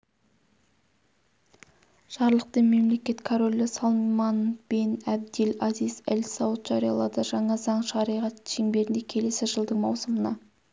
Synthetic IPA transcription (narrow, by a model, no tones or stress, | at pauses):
ʒ̥ɑɾlˠəq̚t̪enme̞mle̞kʲe̞t̪kʰoɾo̞lʲːɪsɑlˠmmɑnb̥enæb̚d̪elɑzijz̥ælsɑwət̪ʒ̥ɑɾijɑ̰lˠɑd̪əʒɑɴɑzɑɴʃɑɾijʁɑt̪ʃeŋbe̞ɾɪnd̪e̞kʲʰe̞le̞sɪʒəlˠd̪əɴmɑwsəmənɑ